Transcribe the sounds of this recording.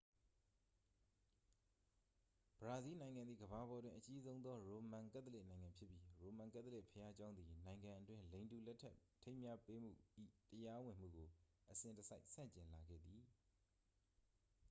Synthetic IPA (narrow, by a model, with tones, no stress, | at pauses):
b̥əɹa˨zi˦nã˨ɪ̃ŋã˨nd̪ðḭ˦˨ɡəβa˨bɔ˨dwɪ̰̃˦˨ʔət͡ɕi˦zõ˦ʊ̃nðɔ˦ɹo˨mã˨kɛ˦t̪̬ːəle˦ʔnã˨ɪ̃ŋã˨mpʰjɪ˦pːji˦ɹo˨mã˨ŋkɛ̰˦ʔt̪ːəlɪ˦˨ʔpʰəja˦d͡ʑã˦ʊ̃nd̪i˨nã˨ɪ̃ŋɡã˨ʔətwɪ̃˦nlẽ˨ɪ̃ntu˨lɛ˦tʰːɛ˦ʔtʰːẽ˦ɪ̃mja˦pe˦m̥ṵ˦˨ʔḭ˦˨ʔtəja˦wɪ̃˨m̥ṵ˦˨ɡo˨ʔəsɪ̃˨ntəsa˦ɪʔsã̰˦˨ɲt͡ɕɪ̃˨nla˨ɡɛ̰˦˨d̪ði˨